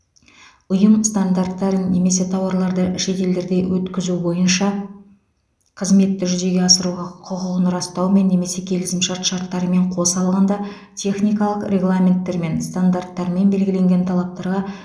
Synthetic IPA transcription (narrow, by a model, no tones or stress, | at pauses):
ʊjəmst̪and̪art̪ːɑɾənːe̞me̞se̞t̪ʰɑwɑɾlˠɑɾd̪əʃe̞t̪e̞ld̪e̞ɾd̪e̞wʔɵt̪kʲɪzubo̞jənʃɑ | qʰəzme̞t̪ːɪʒʏze̞ɡʲe̞ɑsəɾuʁɑqʰʊqəʁənɾɑst̪ɑwme̞nːe̞me̞se̞kʲʰe̞lɪsɪmʃɑɾt̪ʃɑɾt̪ːɑɾəme̞ɴqʰo̞sɑlˠʁɑnd̪ɑ | t̪ʲʰe̞χnijkɑlˠəqɾʲe̞ɡlˠamʲe̞nt̪ːe̞ɾme̞nst̪and̪art̪ːɑɾme̞nbe̞lɡʲɪle̞ŋɡʲe̞nt̪ʰɑlˠɑp̚t̪ɑɾʁɑ